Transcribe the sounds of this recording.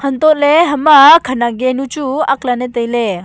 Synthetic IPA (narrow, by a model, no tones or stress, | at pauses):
hənt̪otleɦəmakʰənaɡenũt͡ʃuɐklanet̪əjle